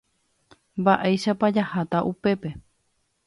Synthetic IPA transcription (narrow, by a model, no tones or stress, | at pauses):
mbaʔejʃapad͡ʒahat̪aʔupe̞pe̞